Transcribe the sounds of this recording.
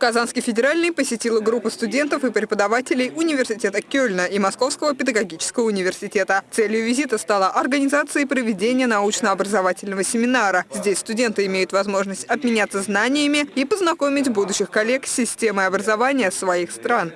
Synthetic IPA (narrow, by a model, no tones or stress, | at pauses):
kɐzanskʲɪjfʲɪdʲɪɾalʲnɨjpəsʲɪtʲilˠəɡɾupːəst̪ʊdʲe̞nt̪əfɨpɾʲɪpəd̪ɐvatʲɪlʲɪjʊnʲɪvʲɪrsʲɪtʲe̞t̪əkʲɵlʲnəʔimɐsko̞fskəvəpʲɪd̪əɡɐɡʲit͡ɕɪ̥skəvəʊnʲɪvʲɪrsʲɪtʲe̞t̪ət̪sɛlʲjʊvʲɪzʲit̪əst̪alˠaʔɐrɡənʲɪzat̪sɨəpɾəvʲɪdʲenʲɪjənɐut͡ɕnəɐbɾəzɐvatʲɪlʲnəvəsʲɪmʲɪnaɾəzʲdʲesʲst̪ʊdʲe̞nt̪ɨɪmʲejʊt̪vɐzmo̞ʐnəsʲtʲɐb̪mʲɪnʲat̪səznanʲɪjəmʲɪipəznɐko̞mʲɪtʲbud̪ʊɕːɪxkɐlʲe̞ksʲːɪsʲtʲe̞məjɐbɾəzɐvanʲɪjəsvɐixst̪ɾan